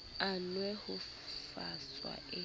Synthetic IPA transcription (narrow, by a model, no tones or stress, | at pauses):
anwɛhu | faswa̰ʔe